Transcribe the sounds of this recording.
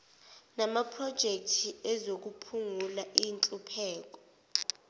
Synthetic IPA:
namapʰrɔd̥ʒ̥ʱek̚tʰiɛzok̬upʰuŋulaʔint͡ɬʼupʰɛːk̬ɔ̥

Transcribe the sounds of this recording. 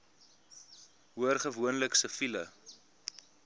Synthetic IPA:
ɦuərχəvuənləksəfilə

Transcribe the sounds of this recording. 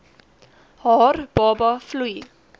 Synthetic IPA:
hɑːɾb̥oːbɑflyː

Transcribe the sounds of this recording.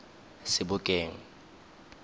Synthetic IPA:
sɪbʊkʼeːŋ̩

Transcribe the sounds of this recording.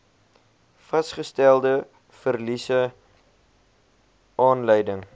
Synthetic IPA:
fɐsχəstælˠdə | fərlisə | ɑːnləjdəŋ

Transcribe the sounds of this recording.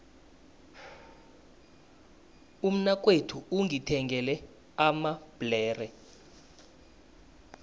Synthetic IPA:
um̩nak̬ʼwetʰuuŋitʰɛŋɡʱɛlɛ | amab̥lɛːrɛ

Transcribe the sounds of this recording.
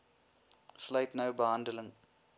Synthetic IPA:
slɐjtnɐwbəɦɐndələŋ

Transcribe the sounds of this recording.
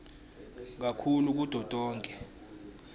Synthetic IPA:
k̬akʰuluk̬ud̥ʱɔtʼɔːŋkʼɛ

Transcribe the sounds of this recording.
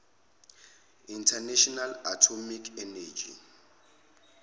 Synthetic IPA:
intʰanɛʃɔnalatʰomikʰɛnɛd͡ʒḭ

